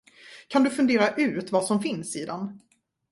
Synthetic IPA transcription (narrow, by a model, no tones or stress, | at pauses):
kʰand̪ɵfɵnd̪eːɾaʔʉ̟ːt̪vasɔmfɪnsiːd̪ɛn